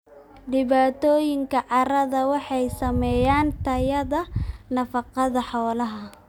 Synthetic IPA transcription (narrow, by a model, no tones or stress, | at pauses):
ɖɪβaːt̪ʰɔːjɪŋkʰɐʕɑɾɐðɐwɑħɑjsɐmɛjaːnt̪ʰɐjɐðɐnɐfɑqɑðɐħɔːlɐɦɐ